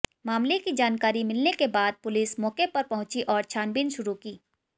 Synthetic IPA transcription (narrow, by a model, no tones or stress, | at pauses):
maːmlekid͡ʒaːnkaːɾimɪlnekebaːd̪̚pʊlɪsmɔːkepɐɾpɐɦʊ̃t͡ʃiʔɔːɾt͡ʃʰaːnbinʃʊɾukiː